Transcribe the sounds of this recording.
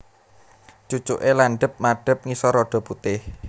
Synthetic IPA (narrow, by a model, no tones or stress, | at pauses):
t͡ʃut͡ʃṵʔelanɖə̤p̚maɖ̥ə̤p̚ŋisɔɾɔɖ̥ɔ̤put̪ɪh